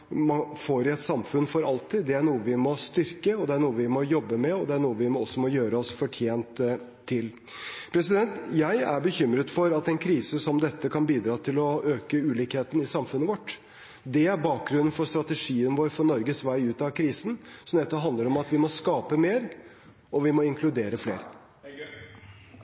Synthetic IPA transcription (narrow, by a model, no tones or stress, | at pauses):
mɑfoɾɪɛt̪sɑmfʉnːfɔɾɑlt̪ʰɪd̪ɛæɳuːəʋɪmɔst̪ʏɾkəɔd̪ɛæɳuːəʋɪmɔjɔbːəmɛɔd̪ɛæɳuːəʋɪmɔɔsːɔmɔjøːɾəɔsfɔʈʰjeːnt̪ʰː | ɪl | pʰɾɛsɪd̪ɛnt̪jæɪæɾbəçʏmɾət̪fɔɾɑt̪ɛnkʰɾiːsəsɔmd̪ɛt̪ːəkʰɑnbiːd̪ɾɑːt̪ʰɪlɔøːkəʉːliːkheːt̪ən̩ɪsɑmfʉnːəʋɔʈː | d̪ɛæɾbɑːk̚ɡɾʉnːn̩fɔɾst̪ɾɑt̪ɛʂiːənəʋoːɾfɔɳɔɾɡəsʋæɪʉːt̪ɑʋkʰɾiːsən̩sɔmd̪ɛt̪ːɔpɦɑnd̪ləɾɔmɑt̪ʋɪmɔskɑːpəmeːɾ | ɔʋɪmɔɪŋkʰlʉd̪eːɾəflḛːɾ